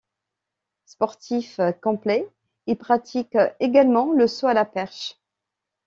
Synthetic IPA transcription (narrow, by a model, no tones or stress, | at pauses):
spɔʁt̪ʰifkɑ̃ple | ilpχat̪ikeɡalmɑ̃ləsoalapɛʁʃ